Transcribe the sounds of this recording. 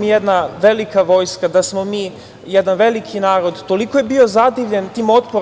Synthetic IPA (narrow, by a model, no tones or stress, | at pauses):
mijed̪naʋe̞likaʋo̞jskad̪asmo̞miː | jed̪anʋe̞likʰinaːɾo̞d̪t̪o̞likojebio̞zad̪iʋʎe̞nt̪iːmo̞t̪po